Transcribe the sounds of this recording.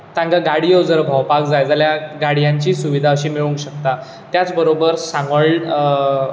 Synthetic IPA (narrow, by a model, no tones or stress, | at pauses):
t̪ãŋɡaɡaɽijod͡zəɾbʱəwpakd͡zajd͡zaljaɡaɽijaɲt͡ɕiːsuʋid̪ʱaəɕiːmiɭũŋkɕəkt̪a | t̪jat͡sbəɾobəɾsãŋɡəɭ